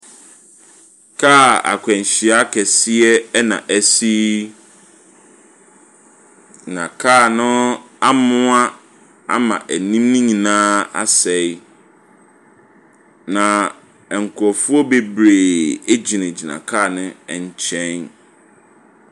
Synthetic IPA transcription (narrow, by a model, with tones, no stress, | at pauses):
kʰa˦˨a̰˨kʷʰɛ̃˨ɲ˨ɕi˨a˦kʰɛ˨sɪ˦ɛ˦nã̰˨ʔæ˦si˦ | nã˨kʰaː˦˨nʊ̃˦ | a˦mʊ̃˦a˦ | a̰˦mã̰˨ʔæ˨nĩ˦mnĩ˦ɲĩ˨nãː˦a̰˦sɛ˨ɪ˦ | nã˨ | ɛ˨ŋ̩˨kʰu˨ɔ˨fu˦ɔ˦be˦bɾe˨e˦d͡ʑi˨nɪ̃˨d͡ʑi˨nã̰˨kʰaː˦˨nʊ̃˦ɛ˨ɲ˨t͡ɕʰɛ̃˦n